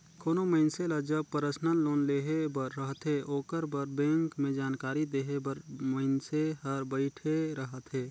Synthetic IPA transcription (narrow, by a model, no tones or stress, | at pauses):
kʰoːnoməɪnseləd͡ʒəpəɾəsnəlːoːnleːɦebəɾːəɦət̪ɦeʔoːkəɾbəɾbẽːŋkmẽd͡ʒaːnkaːɾid̪eːɦebəɾməɪnseɦəɾbəɪʈʰeɾəɦət̪ɦeː